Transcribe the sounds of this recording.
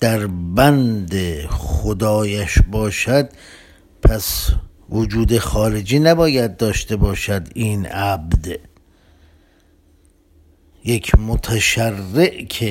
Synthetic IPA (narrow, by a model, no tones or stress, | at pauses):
d̪̥æɾbænd̪exxod̪ɒːjæʃbɒːʃæd̪ | pʰæs | vod͡ʒuːd̪exɒːɾed͡ʒiːnæbɒːjæd̪̚ːɒːʃt̪e̞bɒːʃæd̪iːnʔæbd̪ | jekʰmot̪ʰæʃærːeʔkʰe